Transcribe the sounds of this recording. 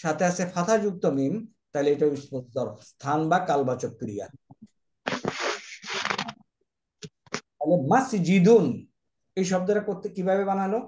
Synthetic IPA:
ʃat̪ʰeaʃefʰat̪ʰad͡ʑuk̚t̪omim | t̪ajleejʈaisod̪ɔɾst̪ʰanbakalbat͡ɕok̚kɾija̰ | alemasid͡ʑid̪un | ejʃ̬ɔb̚d̪eɾakoɾt̪ʰːekibʱabebanano

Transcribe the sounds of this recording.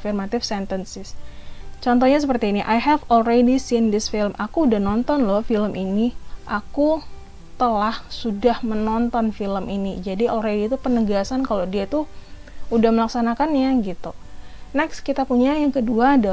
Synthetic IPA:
firmat̪ɪfsɛnt̪ənsɪst͡ʃɔnt̪ɔhɲas̬əpərt̪iːniʔajɦɛvɔlɾedisind̪ɪsfɪlmʔakuːdahnɔnt̪ɔnlɔhfiləmʔiniʔaku | t̪əlahsudahmənɔnt̪ɔnfiləminid͡ʒadiʔɔlrediːt̪upənəɡasankalodiat̪u | udahməlaksanakanjaɡit̪unɛkskit̪apuɲajaŋkəduada

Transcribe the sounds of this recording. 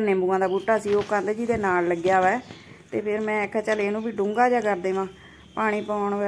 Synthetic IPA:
nẽːmbuːãːd̪aːbuːʈːaːəsĩːoːkand̪eːd͡ʒiːd̪eːnaːlːəɡjaːʋɛːt̪eːpʰɪɾmɛ̃ːkʰɛt͡ʃəleːnũːbiːɖʊŋɡaːd͡ʒaːkəɾd̪ẽːʋãː | paːɽ̃iːpaːɳʋɛ

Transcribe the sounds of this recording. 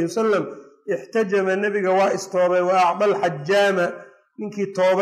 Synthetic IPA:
wsɐlːɐm | ʔɪħt̪ʰɐd͡ʒɐmɐnɐβɪɣɐwɑːɪst̪ʰɔːβɛjwɑʔɑʕd̪ɑlħɑd͡ʒːaːmɐ | nɪŋkʰiːt̪ʰɔːβ

